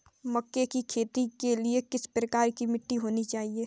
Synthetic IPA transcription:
mɐkːekikʰeːt̪ikeliekɪspɾɐkaːɾkimɪʈːiɦoːnit͡ʃaːɦieː

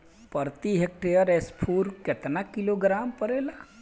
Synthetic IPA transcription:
pəɾt̪iɦek̚ʈejəɾespʰuːɾket̪nakiloɡɾaːmpəɾeːla

